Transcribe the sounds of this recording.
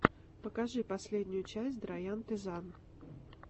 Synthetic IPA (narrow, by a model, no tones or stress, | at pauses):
pəkɐʐɨpɐsʲlʲedʲnʲʊjʊt͡ɕæsʲtʲd̪ɾɐjant̪ʲɪzan